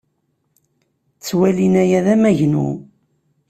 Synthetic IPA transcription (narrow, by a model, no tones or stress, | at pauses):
t͡sːwælinæjæðæmæʝnṵ